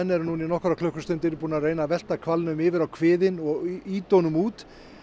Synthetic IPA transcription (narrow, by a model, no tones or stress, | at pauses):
ɛnːɛɾnuninɔhkɾakʰlœhkʏɾ̥st̪ʏnt̪ɪɾpuːnarejnavɛl̥t̪akʰvalnʏmɪːvɪɾawkʰvɪːðɪnɔɣiːt̪ownʏmuːt̪